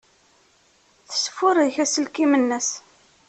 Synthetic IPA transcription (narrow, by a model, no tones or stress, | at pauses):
θə̥sfʊɾˤðçæsəlkimənːəs